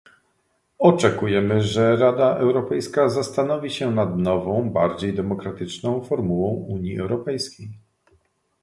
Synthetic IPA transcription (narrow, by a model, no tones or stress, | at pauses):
ɔt͡ʂɛkujɛmɘʐɛɾad̪aʔɛwɾɔpɛjskazast̪anɔvʲiɕɛnad̪nɔvɔ̃w̃baɾd͡ʑejd̪ɛmɔkɾat̪ɘt͡ʂnɔ̃w̃fɔɾmuwɔ̃w̃uɲjiɛ̰wɾɔpɛjskʲej